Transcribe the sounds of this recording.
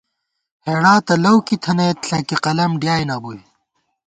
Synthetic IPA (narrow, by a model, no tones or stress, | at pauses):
heːɽaːt̪ɐlɐwkit̪ʰɐnet̪ɬɐkiqɐlɐmɖjaːjnaːbui